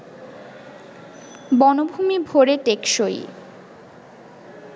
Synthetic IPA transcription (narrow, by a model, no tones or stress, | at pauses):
bɔnobʱumibʱoɾeʈekʃoj̰